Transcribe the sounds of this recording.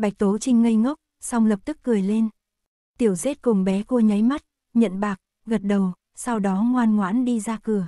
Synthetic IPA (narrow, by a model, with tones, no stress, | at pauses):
ɓa˨˩jk̚t̪o˨˦t͡ɕï˧ŋ̟ŋə˧jŋə˦˥wk͡p̚ | sa˧wŋ͡mlə˨˩p̚t̪ɨ˦˥kːɨ˨˩əjle˧n | t̪i˧˩əwze˦˥t̚kʊ˨˩ŋ͡mɓɛ˨˦ko˧ɲə˨˦jma˦˥t̚ | ɲə̰˧˨nɓaː˨˩k̚ | ɣə˨˩t̚ɗə˨˩w | sa˧wɗɔ˨˦ŋwaː˧nŋwa̰ː˧˥nɗi˧zaː˧kɨ˨˩ə